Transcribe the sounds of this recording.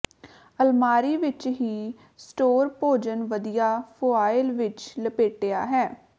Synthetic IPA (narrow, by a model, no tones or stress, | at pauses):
əlmaːɾiːʋɪt͡ʃɦiː | sʈoːɾpoːd͡ʒənʋəd̪ijaːpʰoːaːɪlʋɪt͡ʃləpeːʈeːaːɦɛː